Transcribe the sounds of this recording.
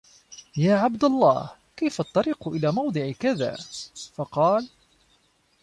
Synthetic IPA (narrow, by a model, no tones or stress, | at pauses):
jaːʕabd̪alˤːɑ̰ːh | kajfaʔt̪ˤːɑɾiːqʊʔɪlaːmɑwd̪ˤɨʕɪkaða̰ːfɑqɑːl